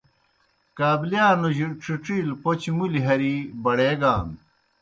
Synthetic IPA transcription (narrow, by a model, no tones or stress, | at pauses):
kaːblijaːnoʑiʈ͡ʂiʈ͡ʂiːlpot͡ɕmuliɦɐɾibɐɽeːɡaːn